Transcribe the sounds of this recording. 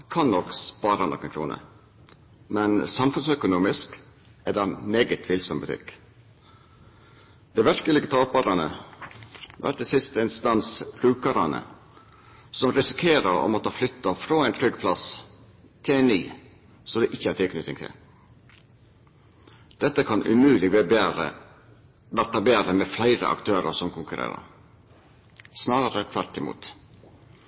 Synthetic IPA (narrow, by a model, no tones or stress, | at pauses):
kʰɑnnɔkspɑːɾɑnɔ̰kːɛnkʰɾṵːnə̰ | mɛnsɑmfʉnsœkʊnuːmɪsk | æd̪ɑmeːɡət̪ʰʋɪlsɔmbʉt̪ʰɪ̰k | d̪̥ɛɪʋæɾkəlɪɡət̪ʰɑːpɑɾɑnə̰ | ʋæ̰ʈ̚d̪ɛsɪst̪əɪnst̪ɑnsb̥ɾʉːkəɾɑ̰nə̰ | sɔmɾɪsɪkʰeːɾəɾɔ̰mɔt̪ʰɑːflʏt̪ːɑfɾoːæɪnt̪ʰɾʏɡpʰlɑs | t̪ʰɪlæɪniː | sɔd̪ɛʔɪçːəæɾt̪ʰɪlkʰnʏt̪ːɪ̰ŋt̪ʰɪ̰l | d̪̥ɛt̪ːəkʰɑnʔʉ̰mʉːlɪɡ̰ | ʋæɾt̪ɑbeːɾəmeflæɪɾə̰ʔɑ̰kt̪ʰøːɾə̰sɔmkʰʊŋkʉɾḛːɾə̰ɾ | snɑːɾəɾət̪ʰʋæɾt̪ɪmṵːt̪